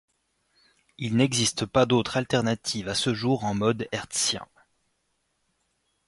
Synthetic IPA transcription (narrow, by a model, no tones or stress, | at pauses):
ilnɛɡzist̪pad̪ot̪χalt̪ɛʁnat̪ʰivasəʒuʁɑ̃mɔd̪ɛʁt̪sjɛ̰̃